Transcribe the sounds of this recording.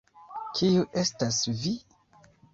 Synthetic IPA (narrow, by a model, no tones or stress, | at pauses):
kʰijuʔe̞stasvi